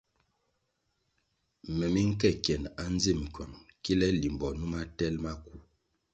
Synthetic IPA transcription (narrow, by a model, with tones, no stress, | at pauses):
mɛ˨mi˦ŋ̩˦kɛ˦˨kjɛ˨na˦n˦ze˦˨m˨kʰɔ˨nki˦lɛ˦li˨mbɔ˨nu˦ma˦tɛ˦lma˦ku˦˨